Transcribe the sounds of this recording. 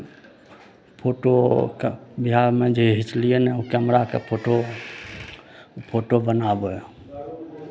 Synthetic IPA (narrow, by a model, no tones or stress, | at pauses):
pʰoʈokbiɦaɾmẽd͡ʒeɦit͡ʃlienɛukəmɾakḛpʰoʈo | pʰoʈobənabo